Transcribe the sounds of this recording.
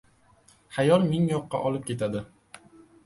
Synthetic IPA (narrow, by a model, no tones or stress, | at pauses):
χajɒlmɪŋjɒqːɑ̰ʔɒlˠɪp̚kʲʰe̞t̪ʰad̪ɪ